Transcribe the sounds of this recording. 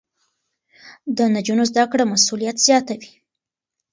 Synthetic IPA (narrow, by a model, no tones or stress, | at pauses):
d̪ənad͡ʒunozd̪akɽamasulijat̪z̥jɑt̪awi̥